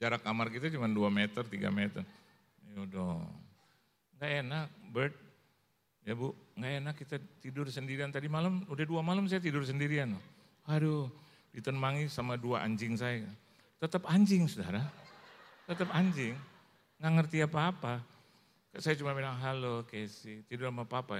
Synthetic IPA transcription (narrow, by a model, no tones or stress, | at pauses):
d͡ʒaɾakamarkit̪at͡ʃumanduamɛt̪ərt̪iɡa̰mɛt̪ər | jodɔŋ | ŋɡaenak̚bərt̪̚ | jabuŋɡaʔenakːit̪at̪idʊrsəndiɾiant̪adimalamudaduamalamsajat̪̬idʊrs̬əndiɾiano | ado | dit̪ənmaŋisamaduaʔa̰ɲd͡ʒɪŋsajaka | t̪ət̪əpaɲd͡ʒɪŋsuda̰ɾa | t̪ət̪əpaɲd͡ʒɪŋ | ŋɡaŋərt̪iapaːpa | kaʔsajat͡ʃumabinaŋɦalokajasit̪idʊramaapaːpa